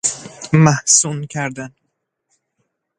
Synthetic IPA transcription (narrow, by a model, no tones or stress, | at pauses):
mahsunkʲʰæɾd̪an